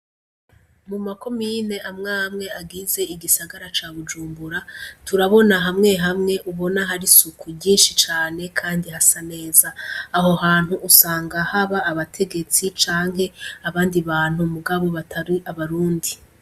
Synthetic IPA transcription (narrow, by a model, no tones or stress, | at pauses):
mumako̞miːne̞ʔamŋaːmŋe̞aɡize̞iɡisaɡaɾat͡ʃaːβud͡ʒuːmbuɾatʰuɾaβo̞naɦamŋe̞ɦamŋe̞ʔuβo̞naɦaɾisukuɟiːnʃit͡ʃaːne̞kʰaːndiɦasane̞ːzaːɦo̞haːn̥huʔːsaːŋɡahaβaːβatʰe̞ɡe̞t͡sit͡ʃaːŋɦe̞aβaːndiβaːn̥humuɡaβo̞βatʰaɾiaβaɾuːndi